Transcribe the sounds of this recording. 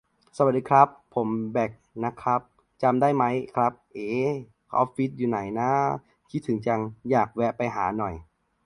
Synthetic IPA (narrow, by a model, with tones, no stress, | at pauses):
sa˧wa˨˩t̚diː˨˧kʰɾa˦˥pʰːo˩˦mbɛː˨˩k̚na˦˧˥kʰɾa˦˥p̚ | t͡ɕa˧mdaː˥˩jma˦˥jkʰɾa˦˥p̚ʔeː˧˥ | kʰɔ̰˦˥p̚fi˦˥t̪̚juː˨˩na˩˦jna˦˥ | kʰi˦˥t̪ʰːɯ˩˦ŋt͡ɕa˧ŋjaː˨˩k̚wɛ˦˥pa˧jɦaː˩˦nɔ˨˩j